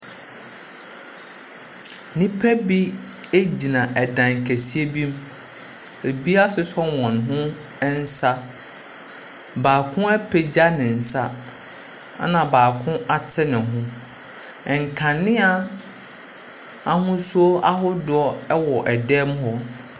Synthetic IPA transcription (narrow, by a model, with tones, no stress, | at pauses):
nĩ˦pʰæ˦bi˦ | e˦d͡ʑi˨nã˨ʔɛ˨dã˨ŋ˨kʰæ˨si˦e˦bĩ˦m | e˨bi˦a˦sʊ˦sɔ˦wɔ̃˨n˨ɦʊ̃˦ | ɛ˦n˦sa˦ | baː˨kʰʊ̃˦æ˦pʰe˨d͡ʑa˦nɪ̃˨n̩˨sa˦ | a̰˦nã˨baː˨kʰʊ̃˦a˦tʰɪ˦nɪ̃˨ɦʊ̃˦ | ɛ˨ŋ˨kʰã˨nːɪ̃˦a˦ | a˦hʊ̃˦su˦o˦a˦ɦʊ˦dʊ˦ɔ˦ɛ˦wɔ˨ʔɛ˨dɛː˦m˦ɦɔ˦